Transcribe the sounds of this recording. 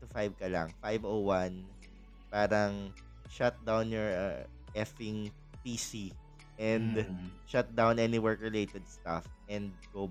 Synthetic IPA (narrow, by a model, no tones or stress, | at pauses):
t̪ʊfajb̚kɐlɐ̰ŋfajbowan | paːɾɐŋ | ʃat̪̚d̪awnjɔɹ | ʔɛfɪŋ | pisi | ʔɛ̃nd̪ʃat̪̚d̪awnʔɛniwɛɹkɹɛlejt̪ɛd̪̚st̪a̰fʔɛ̃nd̪̚ɡo